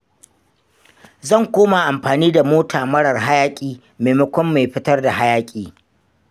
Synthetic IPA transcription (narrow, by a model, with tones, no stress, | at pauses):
zɐ˦˨ŋkʷoː˦ma˨ʔa˨mɸaː˨niː˦da˨moː˦tʰaː˨mɐ˦ɽɐ˨rɦa˦jaː˦kʲʼiː˨ | meː˨mɐ˦kʷɔ˦mːa˨jɸɪ˦tɐ˦rda˨ɦa˦jaː˦kʲʼiː˨